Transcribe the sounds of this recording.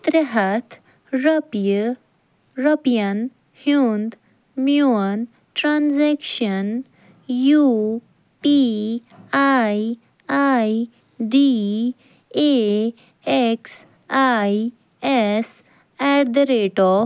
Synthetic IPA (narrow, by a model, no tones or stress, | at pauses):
t̪ɾəɦɐt̪ʰ | ɾəpjə | ɾəpjɐn | hjund̪ | mjun | ʈɾanzɛkʃən | ju | pi | aj | aj | ɖi | e | eks | aj | ɛs | ɛɾd̪ɾeʈɔ